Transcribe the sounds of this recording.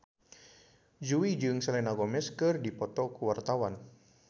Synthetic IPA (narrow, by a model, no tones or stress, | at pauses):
d͡ʒuid͡ʒɨŋsɛlɛnaɡɔmɛskɨrdipɔt̪ɔkuwart̪awan